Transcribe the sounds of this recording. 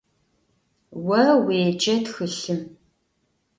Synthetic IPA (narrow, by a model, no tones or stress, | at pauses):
wɐweːd͡ʒʼɐtxɨɬɨm